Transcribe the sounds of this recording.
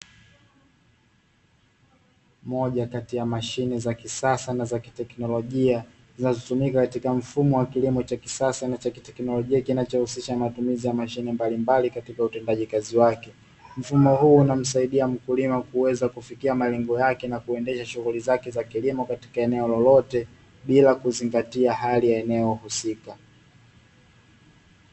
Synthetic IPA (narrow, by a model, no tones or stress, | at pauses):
mɔʄakatijamaʃinɛzakisasanazaki̥tɛknɔlɔʄia | zinazɔtumikakatikam̩fumɔwakilimɔt͡ʃaki̥sasanat͡ʃakitɛknɔlɔʄiakinat͡ʃɔhusiʃanmatumizijamaʃinɛmbalimbalikatikautɛndaʄikaziwakɛ | m̩fumɔhuːnam̩saiɗiam̩kulimakuwɛzakufikiamalɛŋɡɔjakɛnakuɛndɛʃaʃuɣulizakɛzakilimɔkati̥kaɛnɛɔlɔlɔtɛ | ɓilakuziŋɡatiahalijaɛnɛɔhusika